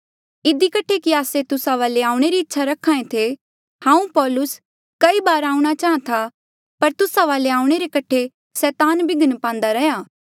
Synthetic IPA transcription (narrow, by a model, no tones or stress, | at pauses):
ɪd̪ikɐʈʰekiaːset̪ʊsaʋaːleaːũɽ̃eɾiɪtːʃʰaɾɐkʰːãːẽt̪ʰe | hãːũpɔːlʊs | kɐibaːɾaːũɽ̃at͡ʃaːãt̪ʰa | pɐɾt̪ʊsaʋaːleaːũɽ̃eɾekɐʈʰe | sɛːt̪aːnbɪɡənpãːn̆d̪aɾɐɦjaː